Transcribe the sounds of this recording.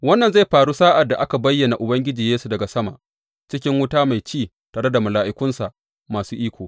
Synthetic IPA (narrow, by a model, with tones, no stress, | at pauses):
wɐ˦nːɐ˨nza˦jɸaː˨ɽuː˦saː˦ʔa˨dːa˨ʔa˦ka˨bɐ˦jːɐ˨na˨ʔʊ˨bɐ˦ŋɡʲɪ˦d͡ʒiː˨jeː˦su˨dɐ˨ɡa˨sɐ˦ma̰˨ʔ | t͡ʃɪ˦kʲɪ˦ŋwʊ˦taː˦ma˨jt͡ʃiː˦˨ | taː˨ɽe˦da˨mʊ˨laː˨ʔɪ˦kʷʊ˦nsa˨ʔ | maː˨suː˦ʔiː˦kʷoː˨